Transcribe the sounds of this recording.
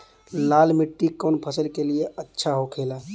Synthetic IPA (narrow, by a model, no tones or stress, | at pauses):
lalmiʈːikɔnpʰəsəlkelijeətːʃʰaɦokʰela